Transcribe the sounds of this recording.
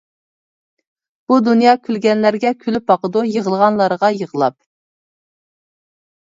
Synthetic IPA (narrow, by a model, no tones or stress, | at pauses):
b̥ud̪unjɑkʲʰylɡʲɛnlæɾɡʲɛkʲʰylyp̚bɑqəd̪ujəʁəlˠʁɑnlˠɑɾʁɑjəʁəlˠɑp̚